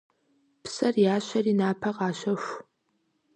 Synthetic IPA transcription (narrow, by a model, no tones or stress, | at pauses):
psɐrjaːɕɐriːnaːpʰɐqɑːɕɐxʷ